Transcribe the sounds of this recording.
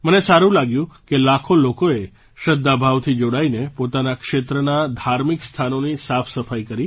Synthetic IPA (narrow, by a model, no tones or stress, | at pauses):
mənesaɾũlaɡjũkelakʰolokoe | ʃəd̪ːabʱaʋt̪ʰid͡ʒoɽainepot̪anakʃet̪ɾənad̪ʱaɾmikst̪ʰanonisapʰsəfajkəɾi